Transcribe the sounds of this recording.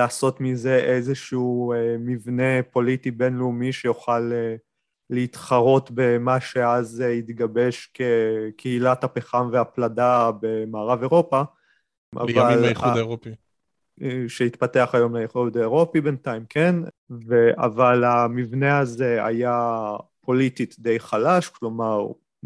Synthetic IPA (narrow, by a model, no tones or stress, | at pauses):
laːso̞tmize̞ʔezeʃuumivne̞po̞litibe̞nleumiʃejoχaleː | eit̪χaʁo̞tbe̞maʃe̞azit̪ɡabe̞ʃke̞kʰeilathapeχamveapladabe̞maːʁave̞ʁo̞pa | ʔa̰valoi | ʃeit̪pate̞aχajo̞mlajeχud̪aeʁo̞pibentajmkʰen | ve̞ʔa̰valamivne̞aze̞a̰japʰo̞lit̪it̪d̪ejχalaʃklo̞maʁ